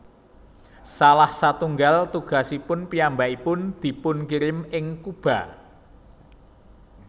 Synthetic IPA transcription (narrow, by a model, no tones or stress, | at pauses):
salahsat̪uŋɡalt̪uɡ̥a̤sipʊnpijambaipʊnd̪̥i̤pʊnkiɾɪmɪŋkub̥a̤